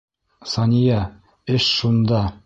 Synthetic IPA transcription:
sɑnʲijɑ | ɘʃʃund̪ɑ

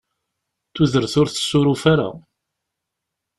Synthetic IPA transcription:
θuðəɾθʊɾθə̥sːʊɾufaɾa̰

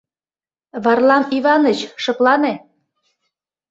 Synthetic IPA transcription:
βɑrlɑmiβɑnət͡ɕʃɤ̆klɑne

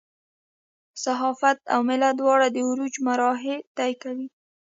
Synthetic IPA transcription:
saɦɑfat̪a̰wmɪlad̪wɑɽad̪əuɾud͡ʒmaɾɑɦet̪ajkawi

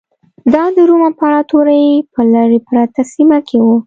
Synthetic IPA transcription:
d̪ɑd̪əɾumapəaɽat̪oɾajepəlaɾepɾat̪asimakʰewu

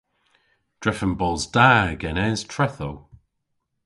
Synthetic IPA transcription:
d̥ɹɛfənbɔlˠzdaːɡɛnɛz̥tʰɹ̥ɛθow

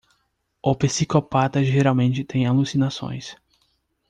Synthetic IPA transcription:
ʊpisikopat̪ɐʒeɾawmẽnt͡ʃɪt̪ẽj̃alusinasõ̰j̃s

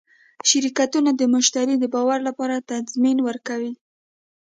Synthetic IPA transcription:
ʃaɾikat̪unad̪əmʊʃt̪aɾid̪əbɑwaɾlapɑɾat̪azminwəɾkawi

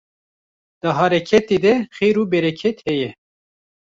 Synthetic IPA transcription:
d̪̥əɦɑːɾɛkʰɛt̪eːd̪ɛxeːɾuːbɛɾɛkʰɛt̪hɛjɛ

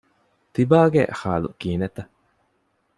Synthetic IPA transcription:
t̪ibaːɡḛxa̰ːlṵkiːnet̪ɐ

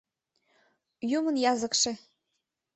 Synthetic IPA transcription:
jumə̆njɑzə̆kʃĕ

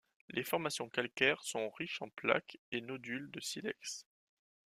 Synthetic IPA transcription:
lʔefɔʁmasjɔ̃kalkʲɛʁsɔ̃ʁiʃɑ̃pla̰kenod̪yld̪əsilɛ̰ks

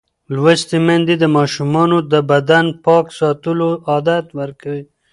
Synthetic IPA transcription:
lwast̪imand̪id̪əmɑʃumɑnod̪əbad̪anpɑksɑt̪əloɑd̪at̪wəɾkawi

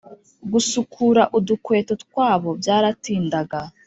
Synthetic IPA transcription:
ɡusukʰuɾaʔudukwe̞ːto̞tkwaːβo̞bjaːɾatiːndaɡa

